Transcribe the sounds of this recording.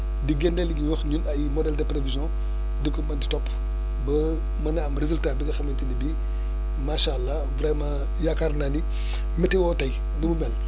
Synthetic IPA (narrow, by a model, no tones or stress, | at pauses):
diɡɛndɛliɡiwəxɲunɐjmɔdɛldepɾevizjɔ̃ | dəkobɐnditɔpː | bɐ | mɐnɐɐmɾezultabiɡɐxɐmɐntinibi | maʃalːa | vɾɛmã | jakaɾnandi | mɛtɛwɔtɐj | ndumumɛl